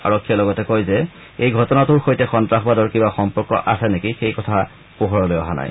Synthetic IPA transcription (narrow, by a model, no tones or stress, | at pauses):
a̰ɹɔkʰːijɛlɔɡɔtɛkojzɛ | ejɡʱɔtɔnatʊɹxojtɛxɔntɹaxbadɔɹkibaxɔmpɔɹkɔ̰ʔasɛnekixejkɔtʰa | poɦɔɹɔlojɔɦa̰na̰j